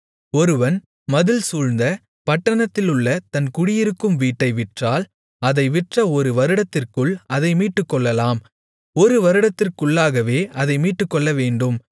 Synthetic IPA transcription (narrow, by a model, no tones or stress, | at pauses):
ɔɾɯʋɐn | mɐðɯlsuːɻnd̪ɐ | pɐʈːɐɳɐt̪ːɪlɯɭːɐt̪ɐnkʊɽɪjɪɾɯkːɯmʋiːʈːɐɪʋɪʈraːl | ɐðɐɪʋɪʈrɐɔɾɯʋɐɾɯɽɐt̪ːɪrkɯɭɐðɐɪmiːʈːɯkːɔɭːɐlaːm | ɔɾɯʋɐɾɯɽɐt̪ːɪrkɯɭːaːɣɐʋeːɐðɐɪmiːʈːɯkːɔɭːɐʋeːɳɖɯm